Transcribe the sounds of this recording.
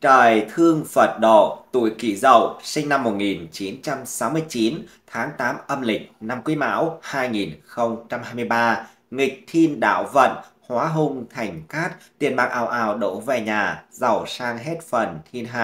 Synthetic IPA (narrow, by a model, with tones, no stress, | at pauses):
t͡ɕəː˨˩jt̪ʰɨ˧əŋfə˨˩t̚ɗo̰˧˩t̪ṵ˧˩jki˧˩zə̰˧˩wsï˧ŋ̟na˧mːo˨˩t̚ŋi˨˩nt͡ɕi˨˦nt͡ɕa˧msa˨˦wmɨ˧əjt͡ɕi˨˦n | t̪ʰaː˨˦ŋt̪aː˨˦mʔə˧mlï˨˩k̟̚na˧mkwi˨˦ma̰ː˧˥whaː˧jŋi˨˩nxə˧wŋ͡mt͡ɕa˧mhaː˧jm˧əjɓaː˧ | ŋï˨˩k̚t̪ʰi˧nɗa̰ː˧˨wvə̰˧˨nhwaː˨˦ɦʊ˧ŋ͡mt̪ʰa˨˩jŋ̟kaː˦˥t̚t̪ḭ˨˧˩ənɓaː˨˩k̚ʔaː˨˩wʔaː˨˩wɗo̰˧˩vɛ˨˩ɲaː˨˩zə˨˩wsaː˧ŋɦɛ˦˥t̚fə˨˩nt̪ʰi˧nɦaː˧˩j